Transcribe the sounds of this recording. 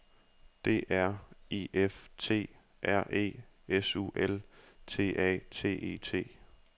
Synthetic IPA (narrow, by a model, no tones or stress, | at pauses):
d̥e̝ʔæɐ̰e̝ːeft͡sʰe̝̰ː | ʔæɐ̰ʔe̝̰ːesṵːʔelt͡sʰe̝̰ːʔɛ̰ːt͡sʰe̝̰ːʔe̝̰ːt͡sʰe̝̰ː